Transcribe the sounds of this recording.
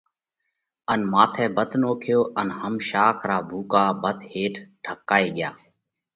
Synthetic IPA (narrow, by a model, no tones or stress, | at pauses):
ənmaːt̪ʰɛːbət̪noːkʰjoːʔənhəmʃaːkʰɾaːbʱuːkaːbət̪heːʈʰɖʰəkːaːeːɡɪja̰ː